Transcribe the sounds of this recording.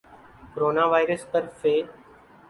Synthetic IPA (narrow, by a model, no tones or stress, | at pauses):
koɾoːnaːʋaːɪɾəst̪əɾfeː